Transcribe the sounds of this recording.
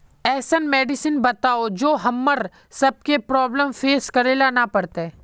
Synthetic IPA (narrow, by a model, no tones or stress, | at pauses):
ɛːsənmɛːɖɪsənbɐt̪aːod͡ʒoːɦɐmːəɾ | sɐb̚kepɾɔːbləmfeːskɐɾeːlanapɐɾt̪eː